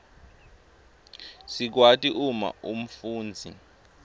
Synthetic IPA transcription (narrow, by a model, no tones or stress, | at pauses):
sik̬watʼiʔuma̰um̩fuːnd͡zʱi